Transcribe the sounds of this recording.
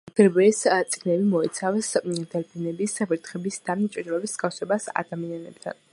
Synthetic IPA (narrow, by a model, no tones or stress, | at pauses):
ɡ̥ɛɾbɛːst̪sʼiɡnɛbimɔɛt̪sʰavsd̪ɛlbʰinɛbisbɾt̪ʰχɛbisd̪at͡ʃʼid̪ɾɔbisdz̥ɡafsɛbasa̰d̪amianɛb̚t̪ʰa̰n